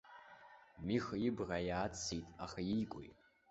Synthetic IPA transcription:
mixjibrajaːt͡sʰːitʼaχajijkʷʼo̰jtʼ

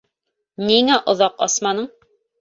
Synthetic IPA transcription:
niŋæʔŏðɑqɑ̰smɑnɤɴ

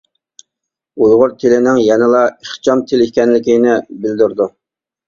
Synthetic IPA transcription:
ujʁʊɾt̪ʰɪlɪnɪŋjɛnɪlˠɑeχt͡ʃʰɑmt̪ʰɪlikʲɛnlɪkʲinɪbɪld̪yɾd̪u

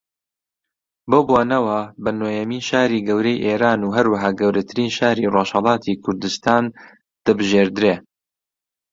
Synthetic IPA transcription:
boːboːnɐwɐbɐnoːjɛmiːnʃaːɾiːɡɐwɾejʔeːɾaːnuːɦɐɾwɐɦaːɡɐwɾɐt̪ʰɨɾiːnʃaːɾiroʃhɐlˠɑːt̪ʰikʰʊɾd̪ɨst̪aːn | d̪̥abɨʒeːɾd̪ɨɾeː

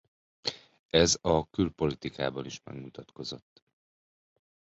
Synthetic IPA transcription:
ɛzɒkylpo̞lit̪ikaːbɒniʃmɛ̰ɡmut̪ɒt̪ko̞zo̞t̪ː

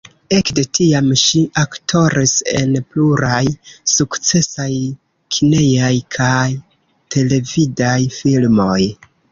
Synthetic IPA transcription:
e̞kde̞tiamʃiʔaktʰo̞ɾiseḛnpluɾajsukt͡se̞saj | kʰine̞jajkʰaj | tʰe̞le̞vidajfilmo̞j

